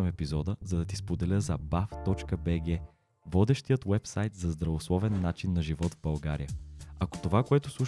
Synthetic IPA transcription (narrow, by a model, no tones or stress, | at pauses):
əmɛpizɔd̪əzɐd̪ɐt̪ispod̪ɛlʲəzɐbaft̪ɔt͡ʃkəbɛɡɛ | vɔd̪ɛʃt̪ijət̪wɛpsajt̪zɐzd̪ɾɐvoslˠɔvɛnːat͡ʃinːɐʒivɔt̪vbɐlˠɡaɾijəɐko̥t̪ovakoɛt̪ʊ̥slˠuʃ